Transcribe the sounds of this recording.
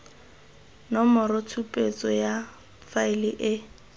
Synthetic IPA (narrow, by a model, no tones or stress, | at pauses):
nɔmɔɾɔtʰupʼet͡sʼɔja | faɪlɪʔɪ